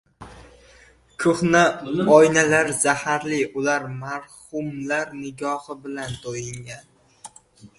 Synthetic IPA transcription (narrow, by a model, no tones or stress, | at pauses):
kʰʊχnaɒjnalaɾzahaɾlɪʔʊlaɾmaɾhʊmlaɾnɪɡʲɒhɪbɪlant̪ʰojɪŋɡʲan